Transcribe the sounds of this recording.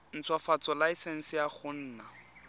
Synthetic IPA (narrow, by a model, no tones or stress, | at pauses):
n̩t͡sʰwafat͡sɔlaisɛn̩sɪjaχʊn̩ːna